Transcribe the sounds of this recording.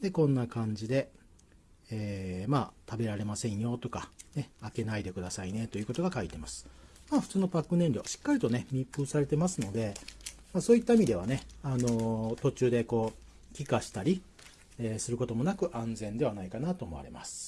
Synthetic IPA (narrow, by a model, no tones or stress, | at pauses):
d̪e̞kõ̞nːakãɲ̟d͡ʑid̪e̞ | eːmaːt̪abe̞ɾaɾe̞masẽ̞ɰ̃jo̞t̪o̞kane̞ake̞naid̪e̞kɯ̟d̪asaine̞t̪o̞jɯ̟ːko̞t̪o̞ɡakait̪e̞masɨ̥ | maːɸɯ̟t͡sɨːno̞pakːɯ̟nẽ̞ɲɾʲo̞̰ɕi̥kːaɾʲit̪o̞ne̞mʲipːɯ̟ːsaɾe̞t̪e̞masɨno̞d̪e̞maːso̞ːit̪ːaimid̪e̞ane̞ano̞t̪o̞t͡ɕɨːd̪e̞ko̞ː | kʲikaɕi̥t̪aɾʲi | eːsɨɾɯ̟ko̞t̪o̞mo̞nakɯ̟ʔãnd͡zẽ̞nd̪e̞β̞anaikanat̪o̞ːmo̞a̰ɾe̞̰ma̰sɨ̥